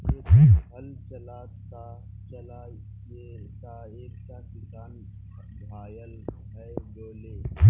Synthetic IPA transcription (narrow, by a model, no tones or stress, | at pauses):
eːɦəlt͡ʃəlaːt̪ː | a | t͡ʃəlaː | eka | eːk̚t̪aːkɪsaːn | bʱaːjəlɦɛboːleː